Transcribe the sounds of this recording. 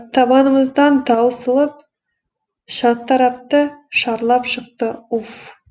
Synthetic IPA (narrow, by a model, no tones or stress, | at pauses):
t̪ʰɑbɑnəməzd̪ɑnd̪ɑwsəlˠəp̚ | ʃɑt̪ːɑɾɑp̚t̪əʃɑɾlˠɑpʃəqt̪əuf